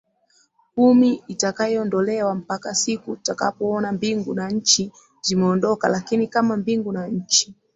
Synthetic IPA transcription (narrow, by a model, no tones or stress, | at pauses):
kumiitakaɔndɔlɛwam̩pakasikutaka̰pɔɔnambiŋɡunaɲ̩t͡ʃi | zimɛɔndɔka̰lakinikamambiŋɡunaɲ̩t͡ʃi̥